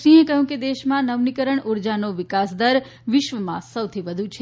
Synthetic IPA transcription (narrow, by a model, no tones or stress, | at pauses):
sĩɦẽkəɦjũked̪eʃmãnəʋnikəɾəɳuɾd͡ʒanoʋɪkasd̪əɾ | ʋɪʃʋəmã̰səwt̪ʰiʋəd̪ʱũt͡ʃʰe